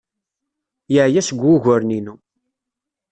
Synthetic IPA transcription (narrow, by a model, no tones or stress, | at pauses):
jəʕjæsəɡʷːuʝʊɾninu